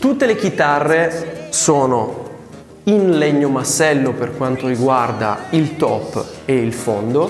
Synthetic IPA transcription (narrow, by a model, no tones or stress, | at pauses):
t̪ut̪ːelek̟it̪arːesoːno | inleɲːomasɛlːoperkwant̪oɾiɡward̪a̰ilt̪ɔpː | eilfond̪o